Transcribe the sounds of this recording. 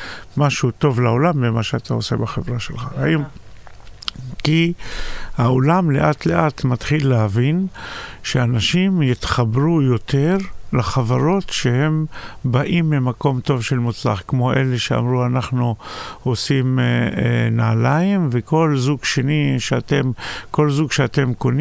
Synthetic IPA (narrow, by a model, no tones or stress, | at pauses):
maʃut̪o̞vlao̞lambemaʃeat̪ʰao̞se̞̰baχevʁaʃḛlχa̰hajom | ki | hao̞lamle̞̰ʔat̪le̞ʔat̪mat̪χilːeɦavinʃe̞anaʃimjit̪χabʁujo̞tʰe̞ʁlaχavaʁo̞tʃe̞he̞mbaʔimlemako̞mt̪o̞vʃe̞lmut͡sla̰χkmo̞ʔe̞le̞ʃea̰mʁuanaχnuosim | naːlaimveko̞lzuɡʃeniʃeat̪emko̞lzuɡʃeat̪e̞mko̞n